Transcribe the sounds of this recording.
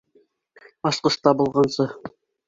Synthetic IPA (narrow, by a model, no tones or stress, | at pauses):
ɑsqɤ̆ʃt̪ɑbŭlˠʁɑnsɤ